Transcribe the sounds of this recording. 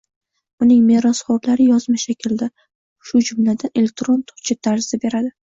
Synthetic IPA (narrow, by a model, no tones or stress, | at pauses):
ʊnɪŋme̞ɾosχɒblaɾɪjɒzmaʃakʲʰɪld̪ɪ | ʃʊd͡ʒʊmlad̪ane̞lek̚t̪ɾo̞nt̪ʰʊ̥ɾt͡ʃʰɪt̪ʰːaɾzɪzabe̞ɾad̪ɪ